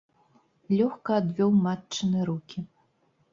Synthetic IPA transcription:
lʲɔxkɐːd̪vʲɔwmat͡ʂːɨnɨɾukʲi

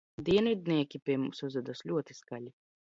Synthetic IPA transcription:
d̪iɛnvʲid̪̚nʲiɛkʲipʲiɛmumsuzvɛd̪aslʲuɔt̪iskalʲi

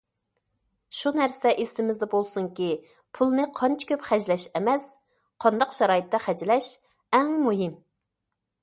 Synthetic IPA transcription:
ʃunæɾsɛʔesɪmɪzd̪ɛbolˠsuŋkʲi | pʰulˠnɨqʰɑnt͡ʃʰɪ̥kʲʰøpχæd͡ʒlɛʃɛmɛs | qʰɑnd̪ɑqʃɑɾɑːjɨt̪ːɛχæd͡ʒlɛʃ | ɛŋmuɦim

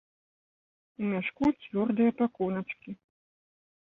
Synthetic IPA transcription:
umʲaʂkut͡sʲvʲɔrd̪ɨjɐpakɔnɐt͡ʂkʲi

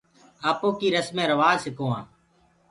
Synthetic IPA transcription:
aːpõːkiːɾəsmẽːɾəʋaːzsɪkõːãː

